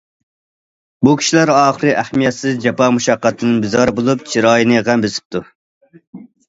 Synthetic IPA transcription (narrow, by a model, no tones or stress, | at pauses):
bukʲʰi̥ʃilæɾɑːχəɾɨʔæhmijɛt̪sɪzd͡ʒɑpɑmuʃɑqːɑt̪ʰːɨnɨnbɪzɑɾɨbolˠup̚t͡ʃʰiɾɑːjinɨʁæmbɪsɪ̥p̚t̪ʰu